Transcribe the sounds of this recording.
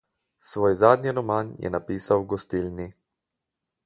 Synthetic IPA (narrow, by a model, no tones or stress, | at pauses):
sʋoːjzaːd̪niɾɔmanjɛ̰napiːsawɡɔst̪ilni